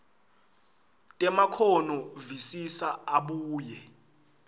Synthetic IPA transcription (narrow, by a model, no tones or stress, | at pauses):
tʼɛmakʰɔnɔvisisaaɓuːjɛ